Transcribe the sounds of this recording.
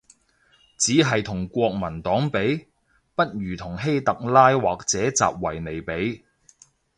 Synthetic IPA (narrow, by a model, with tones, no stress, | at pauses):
t͡siː˨˥ɦɐ˨jt̪ʰʊ˨˩ŋkʷɔː˧k̚mɐ˨˩nt̪ɔː˨˥ŋpe˨˥j | pɐ˥t̚ɥyː˨˩t̪ʰʊ˨˩ŋɦe˥jt̪ɐ˨k̚laː˥jwaː˨k̚t͡sɛː˨˥t͡sa̰ː˨p̚wɐ˨˩jne˨jpe˨˥j